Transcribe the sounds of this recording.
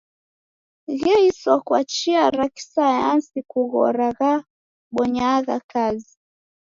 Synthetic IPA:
ɣɛisɔkwat͡ʃiaɾaki̥sajansikuɣɔ̰ɾaɣa | ɓɔɲaɣakazi

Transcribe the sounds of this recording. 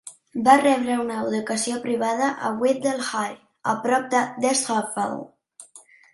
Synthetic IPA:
barɛβɾəunəuðukəsiopɾiβaðəʔəwet̪̚d̪elxaj | ə̰pɾɔp̚d̪əd̪eshafa̰l

